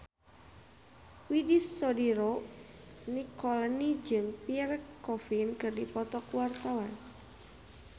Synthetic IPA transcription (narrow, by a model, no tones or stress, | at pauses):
widisːɔdiɾo | nikɔlnid͡ʒɨmpirkɔfinkɨrdipɔt̪ɔkwart̪awan